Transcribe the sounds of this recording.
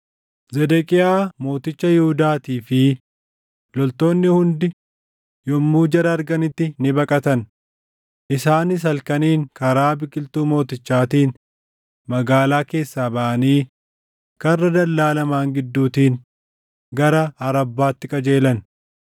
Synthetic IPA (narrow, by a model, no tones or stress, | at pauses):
zɛd̪ɛkʼɪaːmo̞ːt̪ɪt͡ʃːɐjɪhʊd̪aːt̪iːfɪ | lɔlt̪o̞ːnːɪhʊnd̪ɪ | jɔmːuːd͡ʒɐɾɐːɾɡɐnɪt̪ːɪnɪbɐkʼɐt̪ɐn | ʔɪsaːnɪs̬ɐlkɐniːŋkɐɾaːbɪkʼːɪlt̪uːmo̞ːt̪ɪt͡ʃːaːt̪iːn | mɐɡaːlaːke̞ːsːaːbɐʔɐniː | kɐrːɐd̪ɐlːaːlɐmaːŋɡɪd̪ːuːt̪iːn | ɡɐɾɐɐɾɐbːaːt̪ːɪkʼɐd͡ʒe̞ːlɐn